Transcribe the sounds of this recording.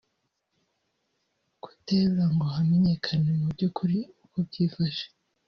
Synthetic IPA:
ɡ̥u̥teβɾaŋɡo̞ɦameɲe̞kʰanemubɟukuɾiukob̚ɟiːfaʃe̥

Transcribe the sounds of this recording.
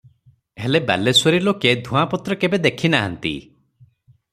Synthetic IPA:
ɦeleba̰leswɔɾiloked̪ʱũãpɔt̪ɾɔkebed̪ekʰinaɦa̰nt̪ḭ

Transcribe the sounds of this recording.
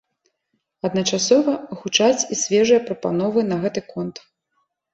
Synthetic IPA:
ɐd̪nɐt͡ʂasɔvɐɣut͡ʂat͡sʲisʲvʲɛʐɨjɐpɾɐpanɔvɨnɐɣɛt̪ɨkɔnt̪

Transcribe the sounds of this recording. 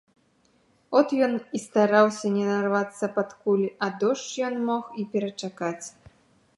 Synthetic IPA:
ɔt̪jɔnist̪aɾawsʲɐnʲɛnarvat̪sːɐpat̪kulʲɐd̪ɔʂt͡ʂjɔnmɔxipʲɛɾɐt͡ʂakat͡sʲ

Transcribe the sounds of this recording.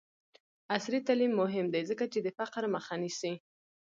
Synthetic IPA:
asɾit̪alimːʊɦɪmd̪ajzəkat͡ʃed̪əfaqɾməxanisi

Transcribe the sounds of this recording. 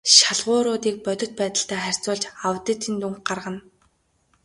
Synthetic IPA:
ʃaɮʁʊːɾʊːt̪iːk̚pœt̪ʲɪ̆t̪̚pæːt̪ə̆ɬt̪æːχær̥ʲt͡sʊːɮt͡ɕawt̪ə̆t̪ʰint̪uŋkɢarʁə̆n

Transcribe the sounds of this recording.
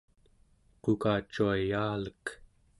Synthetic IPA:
qukaːt͡ʃːuajaːlək

